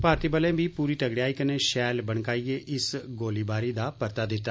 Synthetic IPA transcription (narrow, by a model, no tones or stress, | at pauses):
paːɾt̪iːbəlẽːʋiːpuːɾiːʈəɡɽiaːiːkəneːʃɛːlbəɽ̃kaːieʔɪsɡoːliːbaːɾiːd̪aːpəɾt̪aːd̪ɪt̪ːa